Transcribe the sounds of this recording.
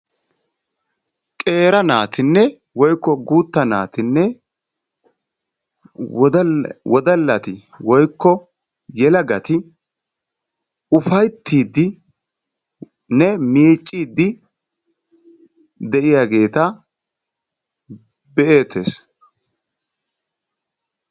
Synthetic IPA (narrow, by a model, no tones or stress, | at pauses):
kʼe̞ːɾɐnaːt̪ʰɪnːɛ | wɔjkːɔɡuːt̪ːɐna̰ːt̪ɪnːɛ | wɔd̪ɐlːɐt̪ɪ | wɔjkːɔ | jɛlɐɡɐt̪ɪ | ʊfɐjt̪ʰːiːd̪ːɪ | nɛmiːt͡ʃʼːiːd̪ːɪ | d̪ɛʔɪjaːɡe̞ːt̪ɐ | bɛʔeːt̪ʰːeːs